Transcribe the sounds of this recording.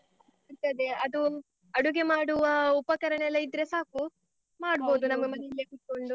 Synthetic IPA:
ɐɾt̪ɐd̪eɐd̪u | ɐɽuɡe̞maːɽuʋɐupɐkɐɾɐɳeɐlːɐid̪ɾesaːku | maːɽboːd̪unɐmːɐmɐnlːekuʈ̪̚ːko̞ɳɖu

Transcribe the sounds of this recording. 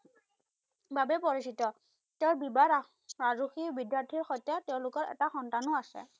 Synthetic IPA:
babɛpɔɹisitɔ | teʊ̃ɹbibaɹ | ɹazuxiɹbidjaɹtʰiɹxɔjtjatɛʊ̃lʊkɔɹɛ̰taxɔntanʊasɛ̰

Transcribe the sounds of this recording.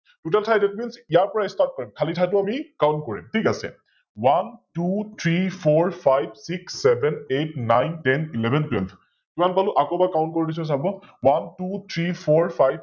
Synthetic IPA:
tutɛltʰajdɛt̚minsijaɹpɔɹaistat̚kɔɹimkʰalitʰajtʊamikawntkoɹḭmtʰikasɛ̰ | wantut̪ʰɹipʰɔɹpʰajbsiksːɛbʱɛnet̚nːajntɛnilɛbʱɛntwɛ̰lb | tumanpalʊʔakɔbakaw̃ntkoɹidis̬ɔs̬abɔwantut̪ʰɹipʰɔɹfʰajb

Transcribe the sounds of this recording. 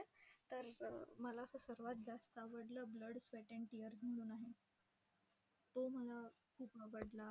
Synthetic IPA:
t̪əɾməlaəsasəɾʋat̪̚d͡zast̪aʋəɽlabləɽsʋeʈə̃ɳʈijəɾsməluːnaɦe | t̪oməla | kʰuːpaʋəɽla

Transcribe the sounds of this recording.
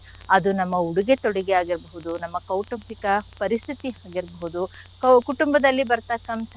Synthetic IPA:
ɐd̪unɐmːɐuɽuɡe̞t̪oɽiɡeaːɡiɾbɐɦud̪unɐmːɐkɐwʈɐmpikɐpɐɾist̪ʰit̪iɦaːɡiɾbɐɦud̪ukkuʈumbɐd̪ɐlːibɐɾt̪akɐmt̪ʰ

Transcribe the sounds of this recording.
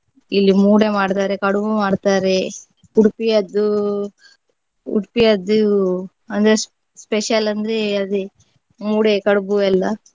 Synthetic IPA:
ilːimuːɽemaːɽt̪aːɾekɐɽubumaːɖt̪aːɾe | uɽpijɐd̪ːu | ṵɽpijɐd̪ːu | ɐnd̪ɾes | speʃɐlɐnd̪ɾeɐd̪i | muːɽekɐɽubuɛlːɐ

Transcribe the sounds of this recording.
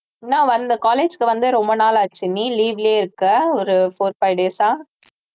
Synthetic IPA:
nãːʋɐnd̪ɐkaːleːd͡ʒkɯʋɐnd̪ɯɾɔmbɐnaːlaːt͡ʃːɯnːiliːʋɪleːɪɾɯkːɐɔɾɯfoːɾpɐɪɖeːsaː

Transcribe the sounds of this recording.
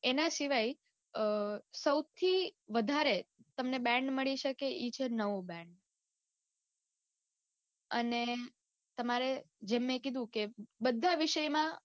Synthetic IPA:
enasiʋaj | səwt̪ʰiʋəd̪ʱaɾet̪əmnebɛ̃ɳɖməɭiʃəkeʔit͡ʃʰenəʋobɛ̃ɳɖ | ə̰ne | t̪əmaɾe | d͡ʒemːẽkid̪ʱũkebəd̪ʱːaʋiʃəjmã

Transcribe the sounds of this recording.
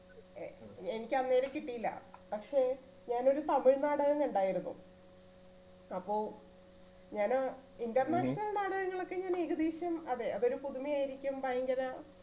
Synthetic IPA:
eenikʲːɐnːeːnekːiʈːijilːɐ̰pɐkʂe̞ː | ɲaːno̞ɾut̪ɐmiɻnaːɽɐɣɐnuɳɖaːjiɾunːṵ | ɐpːo̞ːɭ | ɲaːnindɐrnaːʂɐnɐlnaːɽɐɣŋːɐɭo̞kːe̞ɲaːniɣɐd̪iːɕjɐmɐðeɐðo̞ɾupuðumijaːjiɾikʲːumpaːjɐŋɡɐða

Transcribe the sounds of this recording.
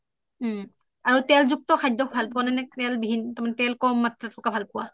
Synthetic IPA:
aɹutɛlzuk̚tɔxʰajdːɔk̚ʰbʱalpʊwananɛtɛlbibʱinɔtaɹmanɛtɛlkɔmːatɹatʰɔkabʱalpʊwa

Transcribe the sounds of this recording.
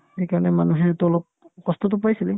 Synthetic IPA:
hejkaɹɔnɛmanuɦɛtʊlɔp̚ | kɔst̪ʰɔtʊp̬ajsilɛ

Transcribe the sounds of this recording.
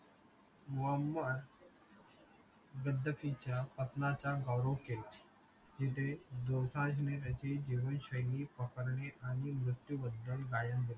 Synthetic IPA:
muəmːəɾ | ɡəd̪ːəfit͡ɕapət̪nat͡ɕaɡawɾokel | d͡ʑit̪̬ed̪osãd͡ʑneɾəd͡ʑid͡ʑiːʋənɕəjliːpəkəɾɳeʔaɽ̃imɾut̪jubəd̪ːəlɡajənd̪ile

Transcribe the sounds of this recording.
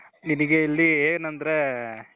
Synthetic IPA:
niniɡeilːieːnɐnd̪ɐɾe

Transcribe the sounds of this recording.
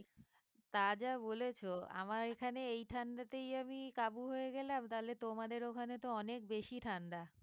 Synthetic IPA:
t̪ad͡ʑabolet͡ɕʰoa̰maɾekʰaneejʈʰand̪at̪ejamikabuɦoeɡɛlamt̪aɦolet̪omad̪eɾokʰanet̪oɔnek̚beʃiʈʰand̪a

